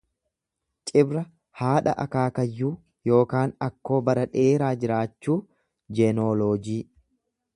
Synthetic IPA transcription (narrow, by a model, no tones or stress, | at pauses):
t͡ʃʼɪbɾɐ | haːᶑɐ̰ʔɐkaːkɐjːuː | jo̞ːkaːnɐkːo̞ːbɐɾɐᶑɛeːɾaːd͡ʒɪɾaːt͡ʃːuː | d͡ʒɛnoːloːd͡ʒiː